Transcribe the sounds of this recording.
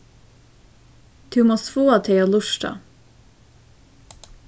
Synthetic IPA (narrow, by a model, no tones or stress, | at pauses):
d̪̥ʉːmoːsfoːɑt̪ʰeoːlʊʃʈɑ̰